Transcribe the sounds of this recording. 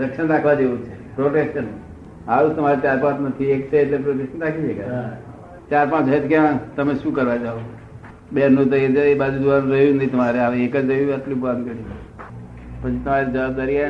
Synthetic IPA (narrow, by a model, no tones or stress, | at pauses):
ɾəkʃənɾakʰʋad̪eũt͡ʃʰe | pɾoʈekʃən | aʋut̪əmaɾet͡ʃaɾpãt͡ʃnət̪ʰiekt͡ʃʰeːʈlepɾoʈeʃənɾakʰid͡ʒeka | t͡ʃaɾpãt͡ʃɦəet̪ʰkjãt̪əmeʃũkəɾʋad͡ʒao | beɾnũt̪̬əiɾd͡ʒaebad͡ʒud̪ʋaɾũɾəɦũd͡ʒnəit̪əmaɾeaʋeekəd͡ʒɾəɦiʋiat̪lũbʋankəɽid͡ʒ | pət͡ʃʰit̪əmaɾid͡ʒəʋab̚d̪aɾia